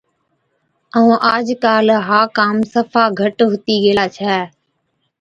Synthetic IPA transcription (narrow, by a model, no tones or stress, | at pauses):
əũːʔaːd͡ʒkaːlɦaːkaːmsəfaːɡʱəʈɦʊt̪iːɡeːlaːt͡ʃʰɛː